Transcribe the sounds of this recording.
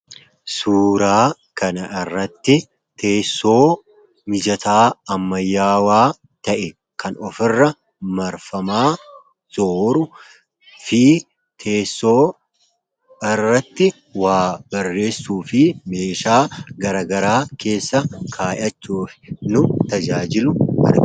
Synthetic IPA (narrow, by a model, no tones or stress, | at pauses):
suːɾaː | kɐnɐɪrːɐt̪ːɪ | t̪ʰe̞ːsːo̞ː | mɪd͡ʒɐt̪aːɐmːɐjːaːwaː | t̪ɐʔɛ | kʰɐnɔfɪrːɐ | mɐɾfɐmaː | z̥oːɾʊ | fiː | t̪ʰeːsːo̞ː | ɪrːɐt̪ːɪ | waːbɐrːe̞ːsːuːfɪme̞ːʃaːɡɐɾɐːɡɐɾaːke̞ːsːɐkʰaːjɐt͡ʃːuːfɪ̥nʊt̪ɐd͡ʒaːd͡ʒɪlʊɐ̰ɾɡ